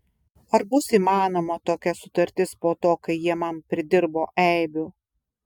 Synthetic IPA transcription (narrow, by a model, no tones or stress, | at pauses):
ɐɾbʊsiːmɑːnoːmɐt̪oːkʲɛsʊt̪ɐɾʲt̪ʲɪspoːt̪oːkɐɪjiɛmɐmpʲɾʲɪd̪ʲɪɾboːʔɛɪbʲʊ